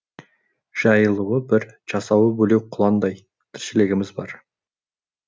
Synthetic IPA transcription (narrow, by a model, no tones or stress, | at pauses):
ʒ̥ɑjəlˠuwəbɪɾʒ̥ɑsɑwəbɵlewqʰʊlˠɑnd̪ɑj | t̪ʰɪɾʃɪlɪɡʲɪmɪzbɑ̰ɾ